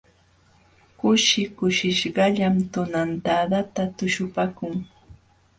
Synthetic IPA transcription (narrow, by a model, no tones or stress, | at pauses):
kʊʃɪkʊʃɪʃɢɑʎamt̪ʊnant̪ad̪at̪at̪ʊʃʊpakʊŋ